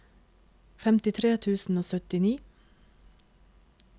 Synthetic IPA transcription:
fɛmt̪ɪt̪ʰɾeːt̪ʰʉːsn̩oːsœt̪ɪniː

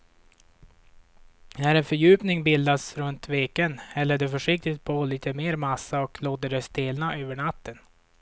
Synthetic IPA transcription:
næɾɛnfœɾjʉ̟ːpnɪŋbɪld̪asɾɵnt̪veːkənɛlːəɖɛfœʂɪk̚t̪ɪt̪̚pʰɔliːt̪ʰəmeːɾmasːaɔkʰloːt̪əɖɛst̪eːlnaʔøːvəɳat̪ːən

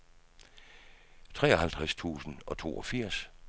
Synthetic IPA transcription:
t͡sʰʁɛːɒhælt͡sʰʁast͡sʰṵːsn̩ɒ̽t͡sʰo̝̰ːɒ̽fiɐ̰s

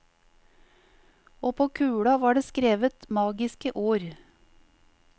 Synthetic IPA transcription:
oːpʰoːkʰʉːɽɑʋɑːɖeːskɾeːʋət̪mɑːɡɪskəʔoːɾ

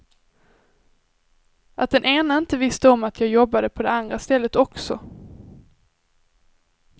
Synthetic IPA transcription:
ʔat̪̚d̪ɛnʔeːnaɪnt̪əvɪst̪əɔmat̪ʰjɑːɡjɔbːad̪əpʰɔd̪ɛand̪ɾast̪ɛlːət̪ɔksɔ̰

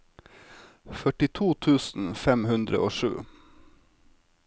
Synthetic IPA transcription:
fœʈɪt̪ʰuːt̪ʰʉːsn̩fɛmhʉnd̪ɾə̰ʔoːʃʉ̰ː

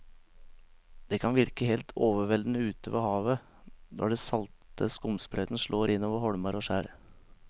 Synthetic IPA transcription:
d̪̥ɛːkʰɑnʋɪɾkəheːlt̪ʰoːʋəʋɛld̪n̩əʉːt̪əʋḛːhɑːʋə | d̪ɔ̰ɖɛsɑlt̪əskʊmsbɾɛːd̪nʂɭoːɾɪnːoːʋəɾhɔɽmɑɾoːʂæːɾ

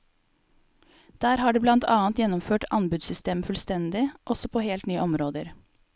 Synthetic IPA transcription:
d̪̥æːɾhɑːɖʉːblɑnt̪ʰɑːnt̪jɛnɔmføːʈɑnbʉd̪sʏst̪eːmfʉlst̪ɛnd̪ɪʔɔsɔpʰoːheːlt̪nyːəʔɔmɾoːd̪əɾ

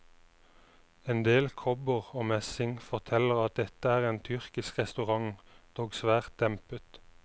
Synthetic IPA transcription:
end̪eːlkʰɔbəʁoːmɛsɪŋfɔʁt̪ʰɛləʁɑt̪̚d̪ɛt̪əæːʁeːnt̪ʰʏʁkɪskʁɛst̪ʉʁɑŋd̪̥oːɡsʋæːʁt̪̚d̪̥ɛmpət̪

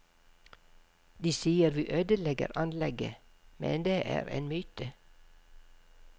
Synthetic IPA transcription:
d̪iːsiːəɾʋiːʔøːd̪əlɛɡə̰ɾʔɑnlɛɡə̰ | mɛ̰nd̪eːʔæ̰ːɾḛːnmyːt̪ə

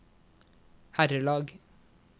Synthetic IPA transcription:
hæɾəlɑːɡ

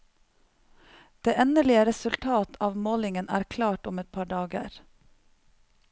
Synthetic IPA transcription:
d̪̥eːʔɛnəɭɪəɾɛsʉlt̪ʰɑːt̪ʰɑːʋmoːlɪŋənæ̰ːɾkʰlɑːʈʊmɛt̪̚pʰɑːɖɑːɡə̰ɾ

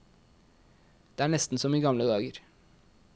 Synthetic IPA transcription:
d̪̥eːæːɳɛst̪n̩sɔmiːɡɑmləd̪ɑːɡəɾ

